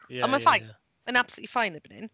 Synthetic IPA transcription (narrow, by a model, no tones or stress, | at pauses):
əmaɪfãɪ̃n | ə̃nab̥səlṵːʔlifãɪ̃nɪbnɪ̰̃n